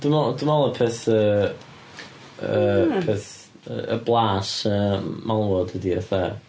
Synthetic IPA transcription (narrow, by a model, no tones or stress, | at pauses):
d̥əmɔdəmɔlˠəpʰɛθə | əpʰeθ | ə̰əblˠaːʃəːmalˠwɔd̥ədiə̰θɛ